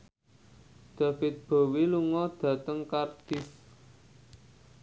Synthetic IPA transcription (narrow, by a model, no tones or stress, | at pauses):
d̪̥ä̤fɪt̪̚b̥o̤wiluŋɔd̪̥ä̤t̪əŋkard̪̥ɪs